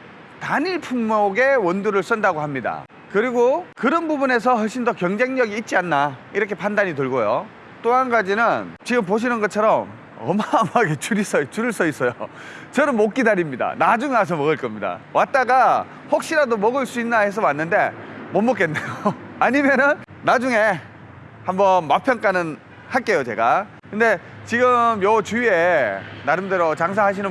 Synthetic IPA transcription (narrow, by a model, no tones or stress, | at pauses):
taɲiɭpʰummoɡe̞wʌnduɾɯɭs͈ʌndaɡohamɲida̰ | kɯɾiɡokɯɾʌnbubune̞s̬ʰʌɦʌɭɕ͈ʰindʌkjʌŋd͡ʑe̞ŋɲʌɡiːt̚t͡ɕ͈ianːaiɾʌkʰepandaɲitɯɭɡojo | t͈oɦanɡad͡ʑinɯnt͡ɕiɡɯmp̬oɕ̬ʰinɯnɡʌt͡ɕʰʌɾʌm | ʌmamaɡe̞t͡ɕuɾis͈ʌt͡ɕuɾɯɭs͈ʌis͈ʌjo | t͡ɕʌnɯnmok͈idaɾimɲida̰nad͡ʑuŋeas̬ʰʌmʌɡɯɭk͈ʌmɲida̰wʔat̚t͈aɡa | hok̚ɕ͈iɾadomʌɡɯɭs͈uinːaɦe̞s̬ʰʌmwanːɯnde̞mʌmːʌk͈e̞nːejoaɲimjʌnɯnː | ad͡ʑuŋe̞ | hambʌnmapʰjʌnk͈anɯn | haɭk͈e̞jot͡ɕe̞ɡa̰ | kɯnde̞ | t͡ɕiɡɯmjʌt͡ɕuenaɾɯmdeɾot͡ɕaŋs̬ʰaɦaɕ̬ʰinɯ